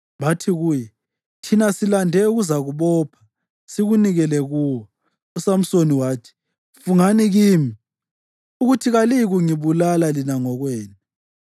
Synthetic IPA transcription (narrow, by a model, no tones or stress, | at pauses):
βatʰiɣuːjɛ | tʰinasilandʱɛuɣuzaɣuβɔːpʰḁ | siɣuniɣɛlɛɣuːwɔ | usam̩soniwaːtʰi̥ | fuŋaniɣiːmi | uɣutʰiɣaliɣuŋiβulalalinaŋɔɣwɛːnɛ